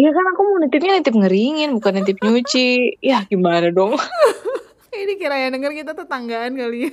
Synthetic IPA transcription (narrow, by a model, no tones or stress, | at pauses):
jakanakomunit̪ɪp̚ɲanit̪ɪp̬̚ŋəɾiŋɪnbukanat̪ɪp̚ɲut͡ʃijahɡ̥imanadɔŋ | idikiɾajaŋdəŋərkit̪at̪ət̪aŋɡaːnkalia